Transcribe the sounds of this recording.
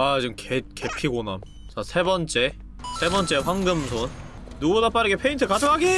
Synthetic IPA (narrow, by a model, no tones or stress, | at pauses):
at͡ɕɯmkeke̞pʰiɡonam | t͡ɕasʰe̞bʌnt͡ɕ͈e̞ | sʰe̞bʌnt͡ɕ͈e̞ɸwaŋɡɯmsʰonː | uɡunap͈aɾɯɡepʰe̞intʰɯkad͡ʑoŋʰɦaɡe